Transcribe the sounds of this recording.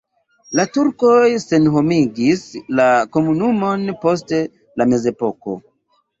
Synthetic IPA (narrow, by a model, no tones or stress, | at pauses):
latuɾko̞jse̞nɦo̞miɡislako̞munumo̞npo̞s̬te̞ | lame̞ze̞po̞ko̞̰